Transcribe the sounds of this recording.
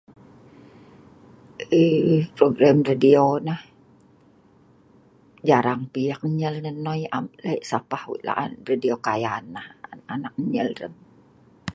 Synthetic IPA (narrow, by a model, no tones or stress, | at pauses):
əpɾoɡɾamradionah | d͡ʒaɾaŋpijak̚ɲəlnənɔjamlaiʔsapahwḭʔla̰ʔa̰nradiokajanːahanak̚ɲəlrə̰n